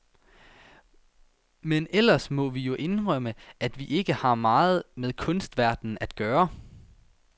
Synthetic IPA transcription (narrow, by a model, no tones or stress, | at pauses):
menel̰ɐsmɒ̽ʋijo̝ʔe̝nʁɶməʔæd̥ʋiʔe̝ɡ̥əhɑ̈mɑ̈ːð̞̩ˠmeðˠkʰɔ̽nsd̥ʋæɐd̥n̩æd̥̚ɡ̥ɶːɐ